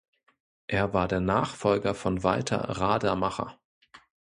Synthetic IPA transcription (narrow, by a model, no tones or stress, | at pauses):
ʔeːɐvaːɐdeːɐnaːχfɔlɡɐfɔnvaɪtʰɐ̰ʁaːdɐmaχɐ̰